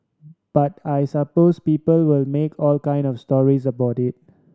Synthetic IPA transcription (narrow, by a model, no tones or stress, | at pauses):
b̥atajsəpoːspiːpəlwɪlmekʰɔːlkãɪ̃ndɔfstɔɹizəbaʊtɪt̚